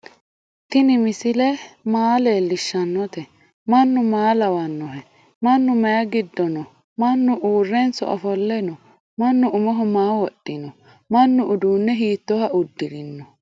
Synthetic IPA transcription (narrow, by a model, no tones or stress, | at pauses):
t̪ɪnɪmɪsɪlɛmaːleːlːɪʃːɐnːɔt̪ɛ | mɐnːʊmaːlɐwɐnːɔɦɛ | mɐnːʊmɐjɐɡɪd̪ːɔnɔ | mɐnːʊʔuːrːɛnsɔ̰ʔɐfɔlːɛnɔ | mɐnːʊʊmɔɦʊmaːwɔɗːɪnɔ | mɐnːʊʔʊd̪uːnːɛɦiːt̪ːɔhɐʊd̪ːɪɾɪnːɔ